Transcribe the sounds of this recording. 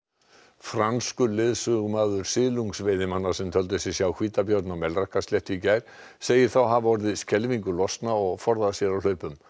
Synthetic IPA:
fɾanskʏlɪðsʏɣmaːðʏɾ̥sɪːluŋksvejðɪmanːḁsɛmt̪ʰœlt̪ʏsjɛsjaːwkʰviːt̪apjoːɾt̪nawmɛlrahkasljɛht̪icaːjɾ̥ | seːjɪɾ̥θawɦavaɔɾðɪscɛlviŋkʏlɔst̪naɔɣfɔɾðasjɛɾawl̥œːɥpʏm

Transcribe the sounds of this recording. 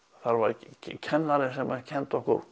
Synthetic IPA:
θaɾvaɾʰcʰɛnːaɾɪsɛmacʰɛnt̪ɔhkʊ̰ɾ

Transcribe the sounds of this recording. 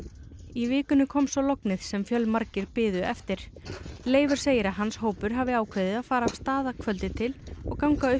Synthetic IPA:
ivɪːkʏnʏkʰɔmsɔlɔknɪðsɛmfjœlmaɾcɪɾpɪːðʏɛft̪ɪɾ̥ | leːjvʏɾ̥seːjɪɾaðɦansɦoːwpʏɾɦaːvɪaːwkʰvejðɪðaðfaːɾaːv̥st̪aːðakʰvœlt̪ɪt̪ʰɪlɔ̰ɣkawŋkaʏ

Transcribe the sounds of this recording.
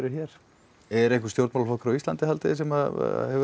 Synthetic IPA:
ɾʏçɛɾ̥ | ɛɾehkʏst̪jowɾt̪mawlfɔhkɾɔist̪ant̪ɪhalt̪ɪsɛma̰hɛv

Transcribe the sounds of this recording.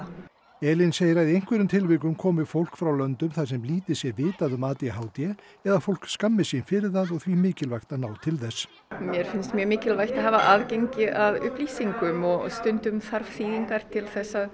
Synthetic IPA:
ɛːlɪnseːjɪɾaðiejŋ̥kvɛɾʏmt̪ʰɪlvɪkʏmkʰɔːmɪfowl̥kfɾawlœnt̪ʏmθḁsɛmliːt̪ɪsjɛvɪːt̪aðʏmaːt̪jɛɦaːwt̪jɛ | ɛðafowl̥kskamːɪsjɛfɪɾɪðθaðɔɣθvimɪːcɪlvajxt̪anaːwt̪ʰɪlθɛs | mjɛɾ̥fɪnst̪mjœːmɪːcɪlvajht̪aɦavaʔaːðcejɲcɪʔavʏ̰hpliːsiŋkʏmɔɣst̪ʏnt̪ʏmfaɾfiːɣiŋkaɾ̥t̪ʰɪlθɛsːa

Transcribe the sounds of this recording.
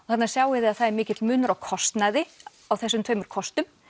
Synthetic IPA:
ɔθat̪naɾ̥sjaːwɪðɪaðθaðɛɾmɪːcɪt̪lmʏːnʏɾawkʰɔst̪naðɪ | awθɛsːʏmt̪ʰvœːɥmʏɾ̥kʰɔst̪ʏm

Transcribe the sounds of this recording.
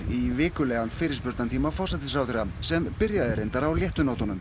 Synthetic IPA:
ivɪːkʏlɛːɣanfɪːɾɪ̥spʏɾt̪ant̪ʰiːmafɔwsat̪ɪsɾaːwt̪ɾɛɣasɛmpɪɾjaðɪɾejnt̪aɾawljɛht̪ʏnowt̪anʏm

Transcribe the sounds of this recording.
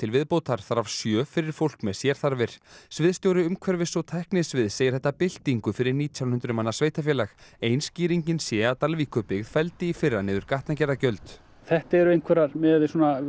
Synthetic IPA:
t̪ʰɪlvɪðpoːwt̪ʰaɾ̥θaɾavsjœːfɪɾɪɾ̥fowlkmɛðsjɛɾ̥θaɾvɪɾ̥svɪðst̪jowɾʏʏmkʰvɛɾvɪsɔwt̪ʰɛhknɪsvɪðseːjɪ̥θɛht̪ːapɪl̥t̪iŋkʏfɪɾɪɾniːt̪ʰjawnhʏnt̪ɾʏmanːasveːjht̪afjɛːlaxeːjnsciːɾiɲcɪnsjɛat̪alviːkʏpɪɣðfɛlt̪ɪifɪrːanɪːðʏɾkaht̪nacɛɾacœɥlt̪ | θɛht̪aɛɾʏejŋkʰɛɾaɾmɛðsuɔna

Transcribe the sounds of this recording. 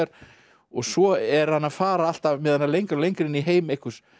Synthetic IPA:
ɛɾ̥ | ɔɣsɔɛɾ̥hanːaðfaːɾaal̥t̪avmɛðhanːalejŋkaɾlejŋkɾɪniɦeːjmehkʏs

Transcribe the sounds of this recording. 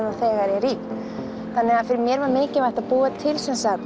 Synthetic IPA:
naθɛːɣaɾɛɾip | θanːɛɣaðfɪɾɪɾmjɛɾvaɾmɪːcɪvajht̪aðpuːat̪ʰɪlsɛnsa

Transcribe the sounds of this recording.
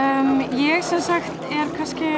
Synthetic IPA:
mjɛɣsɛnsaxt̪ɛɾ̥kʰanscɪ

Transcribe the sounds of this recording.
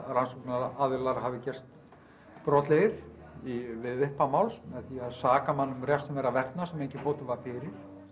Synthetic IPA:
ɾansɔknɪnaaðɪlaɾɦavɪcɛr̥st̪ | pɾɔt̪leɾ̥ | ivɪðʏhpamawlsmɛðθiaðsaːkamanːʏmrjɛst̪mvɛɾavɛrt̪nasɛmejɲcɪfoːt̪ʏvaɾfɪɾɪɾ̥

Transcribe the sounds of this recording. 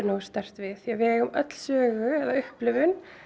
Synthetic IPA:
nu̥ːst̪ɛr̥t̪vɪðjɛɣvɛːʏmœt̪l̥sœːɣʏɛðaʏhplɪvʏn

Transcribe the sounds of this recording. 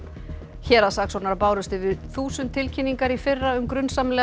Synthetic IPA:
çɛːɾaðsaːksɔnaɾpaːwɾʏst̪ɪvɪðθuːsʏnt̪ʰːɪlcʰinːiŋkaɾifɪrːaʏmkɾʏnsamlɛ

